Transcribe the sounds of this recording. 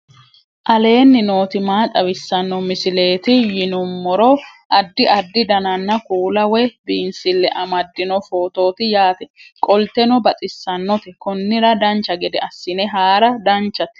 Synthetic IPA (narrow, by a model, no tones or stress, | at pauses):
ʔɐle̞ːnːɪno̞ːt̪ɪmaːt̪ʼɐwɪsːɐnːɔmɪsɪle̞ːt̪ɪjɪnʊmːɔɾɔʔɐd̪ːɪʔɐd̪ːɪd̪ɐnɐnːɐkuːlɐwɛbiːnsɪlːɛʔɐmɐd̪ːɪnɔfo̞ːt̪o̞ːt̪ɪjaːt̪ɛkʼɔlt̪ɛnɔbɐt͡sʼɪsːɐnːɔt̪ɛkɔnːɪɾɐd̪ɐnt͡ʃːɐɡɛd̪ɛɐsːɪnɛɦaːɾɐd̪ɐnt͡ʃːɐt̪